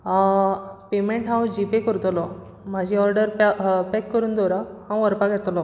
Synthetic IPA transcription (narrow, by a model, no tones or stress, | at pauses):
pemeɳʈɦãwd͡ʑipekəɾut̪lɔ | m̤ad͡ʑʱiɔɾɖəɾpekːəɾuːnd̪ɔɾahãwʋəɾpaɡʱɛt̪lɔ